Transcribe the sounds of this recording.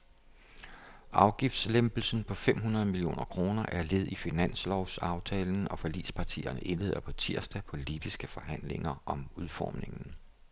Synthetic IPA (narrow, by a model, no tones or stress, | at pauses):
ʔɑ̈ʊɡ̥ifd̥slemb̥l̩sn̩pʰɒ̽fem̰ɦunɐð̞ˠmilio̝̰ːnʔɐkʰʁo̝ːnɐʔæɐle̝ð̞ˠifinæn̰slɒʊsɑ̈ʊt͡sʰɛːln̩ɒ̽fɒlḭːspʰɑ̈t͡sʰḭːɐnəʔe̝nle̝ːð̞̰ˠɐpʰɒ̽t͡sʰiɐ̰sd̥æpʰɒ̽lib̥isɡ̥əfɒ̽ɦæn̰le̝ŋɐʔɒ̽muðˠfɒ̰ːmne̝ŋn̩